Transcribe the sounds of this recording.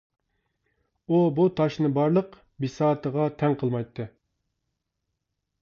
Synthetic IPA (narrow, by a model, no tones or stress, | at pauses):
ubut̪ʰɑʃnɨbɑɾlˠəq | bisɑːt̪ʰəʁɑt̪ʰɛŋqʰəlˠmɑjt̪ʰːɨ